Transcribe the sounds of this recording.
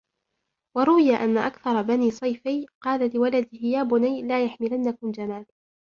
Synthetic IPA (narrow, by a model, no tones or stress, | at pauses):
wɑɾˤʊwɪjaʔanːaʔakθɑɾˤɑbaniːsˤɑjfajqɑːlalɪwalad̪ɪhɪjaːbʊnajlaːjaħmɪlanːakʊmd͡ʒanaːl